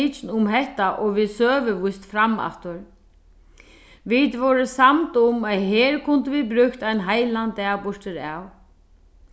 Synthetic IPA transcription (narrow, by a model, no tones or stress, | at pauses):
ɪt͡ʃnʊmɦɛht̪aʔɔɣʋiðsœːvɪvʊjst̪fɾamːa̰ft̪ʏɾ | vit̪vɔɾɪsamt̪ʊmaðɦɛːɾkʰʊnt̪ɪvibɾʏkt̪ajnɦajlant̪ɛabʊʂt̪ɪɾa̰w